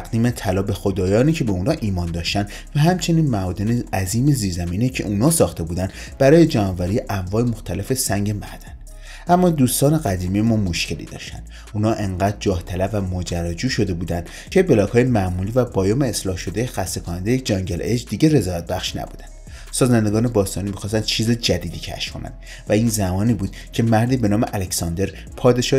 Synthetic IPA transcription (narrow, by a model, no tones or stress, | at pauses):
t̪æɡd̪iːmet̪ʰælɒːbe̞xod̪ɒːjɒːniːcʰebe̞uːnhɒːʔiːmɒːnd̪ɒːʃt̪ænd̪ | væɦæmt͡ʃʰe̞niːnmæɒːd̪e̞neæziːmeziːɾzæmiːnecʰe̞̰ʔuːnɒːsɒːxt̪e̞buːd̪æn | b̥æɾɒːje̞d͡ʒæmɒːvæɾijʔæmvɒːemoxt̪ʰæle̞fe̞sæŋɟemæ̰ɾd̪̥æn | ʔæmːɒːd̪uːst̪ɒːne̞ɡæd̪iːmijemɒːmo̞ʃce̞lḭːd̪ɒ̰ʃt̪æ̰nd̪ | uːnɒːʔe̞ŋɢæd̪̚d͡ʒɒːht̪ʰælæbːæmod͡ʒæɾːæd͡ʒuːʃo̞d̪e̞buːd̪ænd̪ | cʰe̞be̞lɒːkʰɒːjemæʔmuːliːvæbɒːjɒːmeːslɒːhʃo̞d̪ejexæst̪e̞kʰonænd̪ejed͡ʒɒŋɟeled͡ʒd̪iːɟere̞zɒːjæt̪̚bæxʃnæ̰bṵːd̪ænd̪̥ | sɒːzænd̪e̞ɡɒːne̞bɒːst̪ɒːniːmixɒːst̪ænd̪̥̚t͡ʃʰiːzed͡ʒæd̪iːd̪iːcʰæ̰ʃkʰo̞næ̰nd̪̥ | væiːnzæmɒːniːbuːd̪̥cʰe̞mæɾd̪iːbe̞nɒːmeʔælecsɒnd̪e̞ɾ | pʰɒːd̪e̞ʃɒː